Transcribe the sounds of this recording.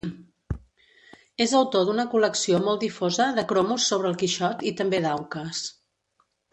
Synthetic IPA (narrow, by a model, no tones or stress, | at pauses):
ezəwt̪od̪unəkuləksiomɔlˠd̪ifozəðəkɾomusːoβ̞ɾəːlˠkiʃɔt̪it̪əmbeðawkəs